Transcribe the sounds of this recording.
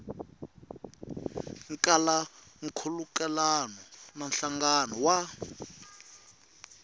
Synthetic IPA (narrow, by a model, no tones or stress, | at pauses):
ŋ̩kʼalaŋ̩kʰulukɛlanɔnan̩ɬaŋɡanɔwa